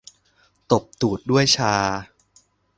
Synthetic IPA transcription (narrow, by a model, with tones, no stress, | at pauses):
t̪o˨˩p̚t̪uː˨˩t̪̚du˥˩əjt͡ɕʰaː˧